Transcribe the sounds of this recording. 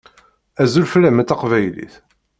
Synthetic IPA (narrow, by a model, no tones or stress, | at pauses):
æzulflːæmət̪ːɑqvæjlḭθ